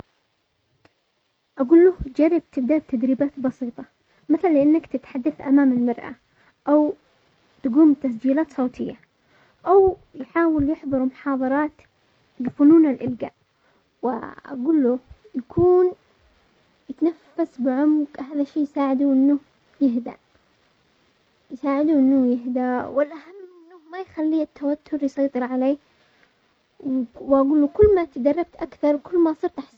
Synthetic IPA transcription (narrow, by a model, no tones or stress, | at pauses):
ʔaɡuːlːuːhd͡ʒarˤːɪb̚t̪ɪbd̪aːd̪̚t̪ad̪ɾiːbaːt̪bɑsiːt̪ˤɑ | maθallɪʔanːakt̪ɪt̪ħad̪ːaθʔamaːmɪlmɑɾˤʔa̰ | ʔaw | t̪aɡuːmt̪asd͡ʒiːlaːt̪sˤɑwt̪ʰɪjːa | ʔawjħaːwɪljɪħðˤɨɾmʊħɑːðˤɑɾˤɑːt̪ | lɪfʊnuːnalʔɪlɡa̰ːʔ | wɪ̰ʔa̰ɡuːlːuːjakʰuːn | jɪt̪anafːasbɪʕʊmɡhaːðaʃːeːjsaːʕɪd̪uʔɪnːʊ | jɪɦd̪a̰ | jsaːʕɪd̪uːʔɪnːʊjɪɦd̪awɪlʔahamːʔɪnːʊhmajxalːiːɪt̪ːawat̪ʰːʊɾjsˤɑjt̪ˤɨɾʕaleː | wwʔaɡuːlːukʊlːmat̪ad̪ɑrˤːɑb̚t̪ʔakθɑɾˤwkʊlːmasˤɨːɾt̪ʔaħs